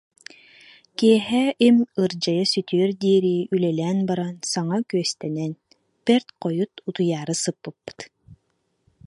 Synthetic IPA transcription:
kiɛɦɛʔimɯɾd͡ʑajasyt̪yœɾd̪iːɾiːʔylɛlɛːnbaɾansaŋakyœst̪ɛnɛn | pɛɾt̪qɔjut̪ut̪ujaːɾɯsɯpːɯpːɯ̥t̪

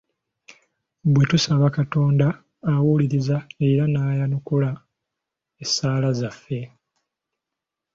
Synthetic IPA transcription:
bwe̞tusaβakato̞ːndaː | wuliɾizae̞ɾanaːjanukula | esaːlazafːe̞

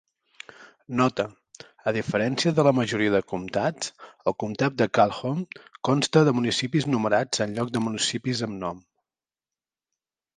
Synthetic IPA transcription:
nɔt̪ə | əð̞ifəɾɛnsiəðələməʒuɾiəðəkumt̪ḁəlˠkumt̪at̪̚d̪əkalˠxomkɔnst̪əðəmunisipiznuməɾad͡zənʎɔk̚d̪əmunisipizəmnɔm

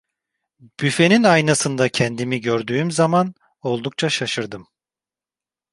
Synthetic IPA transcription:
b̥yfe̞ninajnasɯnd̪acʰɛnd̪imiɟøɾd̪yːmzaman | o̞lˠd̪uk̚t͡ʃʰaʃaʃɯɾd̪ɯm

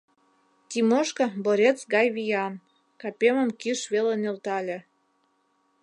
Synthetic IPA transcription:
t̪ʲimoʃkɤ̆boɾʲet͡sɡɑjβijɑn | kɑpʲemə̆mkiʃβelenelt̪ɑlʲĕ

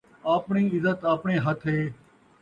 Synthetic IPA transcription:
aːpɳiːɪzət̪aːpɳeːɦət̪ʰɦeː

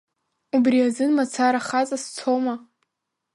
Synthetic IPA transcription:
ubriazɨnmat͡sʰaɾaχat͡sʼast͡sʰoma

